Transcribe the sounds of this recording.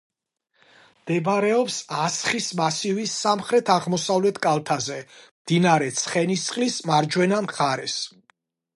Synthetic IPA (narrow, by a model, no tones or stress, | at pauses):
md̪̥ɛbɾɛɔpsasχismasivisːamχɾɛt̪ʰaʁmɔsavlɛt̪ʰkʼalˠt̪ʰazɛmd̪̥inaɾɛt̪sʰχɛnist̪sʼqʼlismaɾd͡ʒwɛnamχaɾɛs